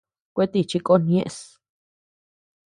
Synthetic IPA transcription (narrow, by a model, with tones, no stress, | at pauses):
kʷe˦t̪i˧˨t͡ʃi˧kʼo˦nj̃ẽ˦ʔs